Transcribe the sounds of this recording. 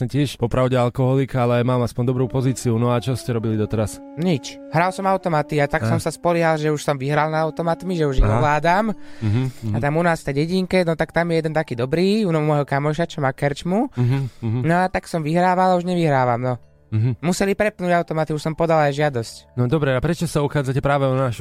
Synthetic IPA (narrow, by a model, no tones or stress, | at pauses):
ɲɛcɪɛʃpɔpɾaʊɟɛalkɔɦɔlikaalɛmaːmaspɔɲd̪ɔbɾuːpɔziːt͡siunɔat͡ʃɔscɛɾɔbilid̪ɔt̪ɛɾas | ɲit͡ʃ | ɦɾalsɔmaʊt̪ɔmat̪iat̪aksɔmsaspɔliɦalʒɛuʃsɔmʋiɦɾalnaaʊt̪ɔmat̪miʒɛuʒiɔʋlaːd̪aːm | at̪amunaːsft̪ɛɟɛɟiŋkɛnɔt̪akt̪amjɛjɛd̪ɛnt̪akiːd̪ɔbɾiːunmɔjɦɔkamɔʃat͡ʃɔmakɛɾt͡ʃmu | nɔat̪aksɔmʋiɦɾaːʋalauʒɲɛʋiɦɾaːʋamnɔ | ɦmusɛlipɾɛpnuɟaʊt̪ɔmat̪iuʃsɔmpɔd̪alajʒɪad̪ɔscnɔd̪ɔbɾɛapɾɛt͡ʃɔsauxaːd͡zacɛpɾaːʋɛɔnaʃu